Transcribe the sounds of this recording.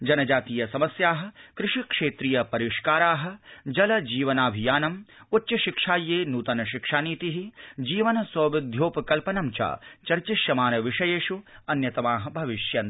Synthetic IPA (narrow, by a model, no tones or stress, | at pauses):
d͡ʒɐnɐd͡ʒaːt̪iːjɐsɐmɐsjaːɦɐ̆kɾɪʂikʂeːt̪ɾijɐpɐɾiʂkaːɾaːɦɐ̆d͡ʒɐlɐd͡ʒiːʋɐnaːbʱijaːnɐm | utːt͡ʃɐʃikʂaːjːeːnuːt̪ɐnɐʃikʂaːniːt̪iɦid͡ʒiːʋɐnɐswɐːʋid̪ʱjoːpɐkɐlpɐnɐmt͡ʃa̰ːt͡ʃɐɾt͡ʃiʃjɐmaːnɐʋiʂɐjeːʂuɐnjɐt̪ɐmaːɦɐbʱɐʋiʃjɐn